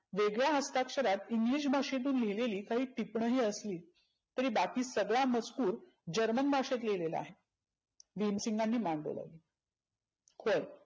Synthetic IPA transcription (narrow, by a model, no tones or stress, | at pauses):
ʋeɡɭjaɦəst̪akʂəɾat̪iŋɡliɕbʱaʂet̪̬uːnleleliːkaɦiːt̪ipɳəɦiːəsliː | t̪əɾiːbakiːsəɡɭamət͡skuːɾ | d͡ʑəɾmənbʱaʂet̪lelela̰a̰ɦe | bʱimsiŋɡanːiːmaɳɖo̰la̰li | kʰoj